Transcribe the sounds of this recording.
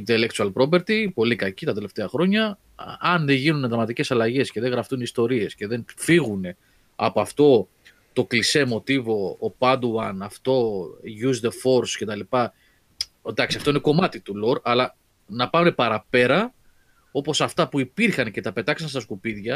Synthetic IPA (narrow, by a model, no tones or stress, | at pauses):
int̪e̞lek̚t͡ʃ̪uɐlpɾo̞pe̞ɾt̪ipo̞likɐcit̪ɐt̪e̞left̪e̞ɐxɾoɲɐ | ɐnðeʝinuned̪ɐmɐt̪ice̞sɐlɐʝe̞sce̞ðe̞ɣɾɐft̪unist̪o̞ɾie̞sce̞ðe̞nfiɣune̞ | ɐ̰poɐft̪o̞ | t̪o̞klise̞mo̞t̪ivo̞ːpɐd̪wɐnɐft̪o̞ʝuzd̪efo̞ɾsce̞t̪ɐlipɐ | d̪ɐksiɐft̪oineko̞mɐt̪it̪ulo̞ɾɐlɐ | nɐpɐne̞pɐɾɐpe̞ɾɐ | o̞po̞sɐft̪ɐpuipiɾxɐnce̞t̪ɐpe̞t̪ɐksɐnst̪ɐskupiðʝɐ